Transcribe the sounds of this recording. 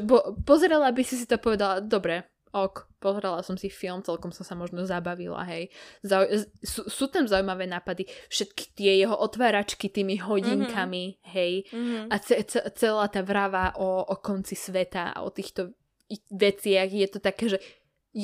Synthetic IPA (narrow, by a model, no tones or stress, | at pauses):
bɔpɔzɛɾɛlabisis̬it̪ɔpɔʋɛd̪alad̪ɔbɾɛ | ɔkpɔzɛɾɛlˠasɔmsifilˠmt͡sɛlkɔmsɔmsamɔʒnɔzabaʋḭla̰ɦɛjzausuːsuːt̪amzaujmaʋɛːnaːpad̪ifʃɛt̪ki̥t̪ɪɛjɛɦɔʔɔt̪ʋaːɾat͡ʃkit̪iːmiɦɔɟiŋkʰamiɦɛjat͡sɛt͡sɛt͡sɛlaːt̪aːʋɾaʋaʔɔʔɔkɔnt͡sisʋɛt̪aa̰ɔ̰t̪iːxt̪ɔ | iʋɛt͡sɪaɣjɛt̪ɔt̪akɛːʒɛ | j